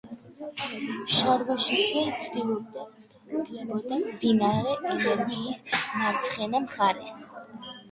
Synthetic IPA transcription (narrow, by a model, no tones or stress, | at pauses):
ʃaɾvaʃiɡzɛit̪sʰd̪ilˠɔb̚d̪a | ɛbɔd̪amd̪inaɾɛilɛɾbiːsnaɾt̪sʰχɛnamχaɾɛs